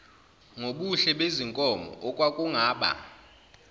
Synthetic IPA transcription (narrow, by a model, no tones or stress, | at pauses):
ŋoɓuɬɛɓeziŋkʼɔmbɔ̰ʔɔkʼwakʼuŋaːɓa̰